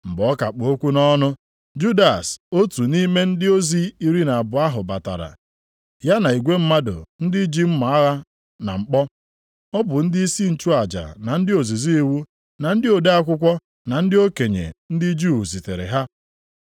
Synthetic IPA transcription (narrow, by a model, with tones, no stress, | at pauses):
m̩˨bɔ˨˦ka˨k͡po˨o˦kʷu˦nɔ˦nʊ˦ | d͡ʒu˦da˨so˦tu˨ni˦me˦n̩˦dɪ˦o˦zi˦i˦ɾi˦na˨a˨bʊ˨a˦ɦʊ˨ba˨ta̰˨ɾa̰˨ | ja˦na˨i˨ɡʷe˦m̩˦ma˦dʊ̰˨n̩˦dɪ˦d͡ʒi˦m̩˦ma˨˦a˦ɣa˦ | na̰˨ŋ͡m̩˨k͡pɔ˦ | ɔ˦bʊ˨n̩˦dɪ˦i˦si˦n̩˦˨t͡ʃu˦a˨d͡ʒa̰˨na˨n̩˦dɪ˦o˨zi˨zi˦i˨˦wu˦ | na˨n̩˦dɪ˦o˨de˦a˦kʷʊ˦kʷɔ˦ | na˨n̩˦dɪ˦o˦ke˨ɲḛ˨n̩˦dɪ˦d͡ʒu˦˨zi˨tḛ˨ɾḛ˨ɦa˦